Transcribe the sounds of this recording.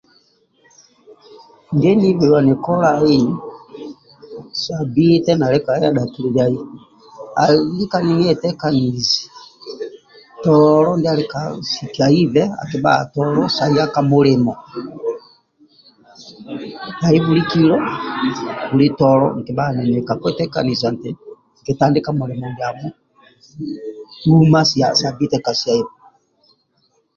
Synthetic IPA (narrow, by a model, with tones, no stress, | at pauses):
ŋɡɛ˦ni˦vɛ˨wa˨nɛ˨kɔ˦la˦i˦ | sa˨bi˦tɛ˦na˨lɛ˦ka˨˦a˦da˨tu˨li˨d͡ʒja˨i˦ | a˨li˦ka˦ni˦ŋɛ˦˨tɛ˦ka˨ni˨zi˨ | tɔlɔ˦ndi˦a˦lɛ˦ka˨si˨ki˨a˨i˦vɛ˦a̰˨ki˨ba̰˦˨tɔ˦lɔ˦sa˨i˦a˦ka˦mo˦ɾɪ˨mɔ˨ | ja˨i˦βu˨ɾi˦ki˦ɾɔ˦ | bu˨li˦tɔ˨ɾɔ̰˦ŋ̩˨ke˨ba˦˨nɛ˨nɛ˨ka˨kwɛ˦tɛ˦ka̰˨ni˨za˨n˨te˨ | ŋ̩˨ke˨ta˨nde˦ka˨mo˨ɾɛ˨mɔ˨ndi˨˦a˨mɔ˦ | u˦ma˦si˨a˨sa˨bi˦tɛ˦ka˨si˨a˨i˦vɔ˨